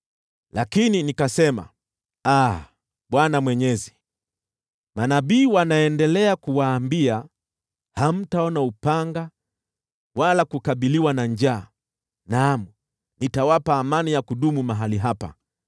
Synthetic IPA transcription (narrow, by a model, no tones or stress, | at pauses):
lakininikasɛma̰ | a | ɓwanamwɛɲɛzi̥ | manaɓiːwanaɛndɛlɛakuwaːmbia | ham̩taɔnaupaŋɡa | walakukaɓiliwanaɲd͡ʒaː | namu | nitawapaːmanijakuɗumumaɦaliɦapa̰